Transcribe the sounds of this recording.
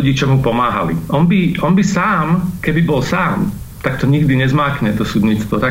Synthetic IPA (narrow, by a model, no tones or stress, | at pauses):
ɟiːt͡ʃɔmɦupɔmaːɦa̰lḭʔɔnbiʔɔnbisaːmkɛbibɔlsaːm | t̪akt̪ɔɲiɡd̪iɲɛzmaːkɲɛt̪ɔsud̪ɲiːt͡st̪ʋɔt̪a